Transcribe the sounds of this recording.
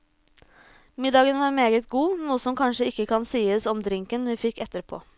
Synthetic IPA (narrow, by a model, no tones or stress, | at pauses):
mɪd̪ɑːɡənʋɑːɾmeːɡət̪ɡuːnuːəsɔmkʰɑnʂəɪkːəkʰɑnsiːəsɔmd̪ɾɪŋkənʋiːfɪkːɛt̪əɾpʰo̰ː